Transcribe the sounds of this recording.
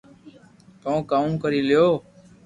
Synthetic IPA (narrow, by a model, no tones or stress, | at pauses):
koõːkaːũːkəɾiːlɪjoː